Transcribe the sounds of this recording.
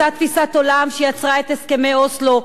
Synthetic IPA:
at̪fisat̪olamʃejat͡sʁae̞t̪heskemejoslo

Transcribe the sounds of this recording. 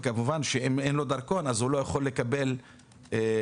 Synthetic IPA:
kamuvanʃeemenlo̞d̪aʁko̞nazhulo̞jaχo̞lːe̞kabe̞l

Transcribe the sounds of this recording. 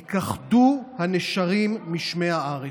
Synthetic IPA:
kaχduhaneʃaʁimːiʃmeaaʁe

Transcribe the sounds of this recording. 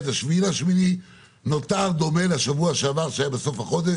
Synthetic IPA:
t̪aʃvilaʃmini | no̞t̪aʁd̪o̞me̞laʃavuaʃeavaʁʃajabeso̞fhaχo̞d̪e

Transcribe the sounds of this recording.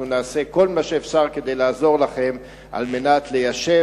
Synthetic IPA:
unaːse̞ko̞lmaʃeːfʃaʁked̪ejlaːzo̞ʁlaχe̞m | ʔa̰lme̞nat̪le̞jaʃe

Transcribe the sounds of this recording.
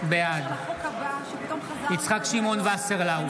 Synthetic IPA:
bead̪ | it͡sχakʃimonvaseʁlaw

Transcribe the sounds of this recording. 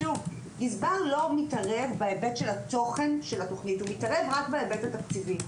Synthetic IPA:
ʃuv | nizbaʁlo̞mitaʁevbaebetʃelato̞χe̞nʃelato̞χnithumitaʁe̞vʁakbeebetatakt͡sivi

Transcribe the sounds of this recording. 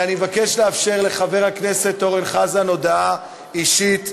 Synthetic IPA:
animevake̞ʃleafʃe̞ʁle̞χave̞ʁhakne̞se̞t̪o̞ʁenχazano̞daa | iʃit

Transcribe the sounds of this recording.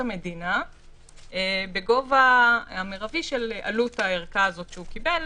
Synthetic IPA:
ame̞dina | beɡo̞vaameʁaviʃelʔa̰lutaeʁkaːzo̞t̪ʃeukibel

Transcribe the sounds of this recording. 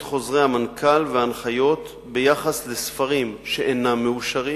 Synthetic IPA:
tχo̞zʁejhamankʰalveanχajo̞t̪ | bejaχasle̞sfaʁimʃe̞ʔenamːeuʃaʁi

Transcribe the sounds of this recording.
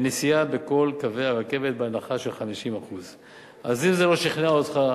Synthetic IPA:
nisijabe̞ko̞lkaveaʁake̞ve̞t̪̚beanaχaʃelχamiʃimaχuz | ʔazimze̞lo̞ʃiχnaot̪χa

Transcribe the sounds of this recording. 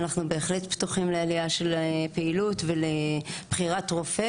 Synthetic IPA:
naχnube̞ːχletpt̪uχimlealijaʃe̞lpeilutveleb̥χiʁatʁofe

